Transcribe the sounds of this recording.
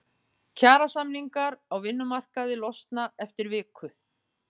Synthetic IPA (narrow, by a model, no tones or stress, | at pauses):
cʰaːɾasamliŋkaɾawvɪnːʏmar̥kaðɪlɔst̪naɛft̪ɪɾvɪːkʰʏ